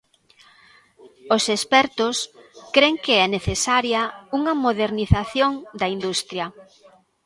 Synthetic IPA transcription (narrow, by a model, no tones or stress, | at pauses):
osespɛɾt̪ʊskɾeŋkeɛneθesaɾjɐuŋɐmoðeɾniθaθjoŋd̪ɐind̪ust̪ɾjɐ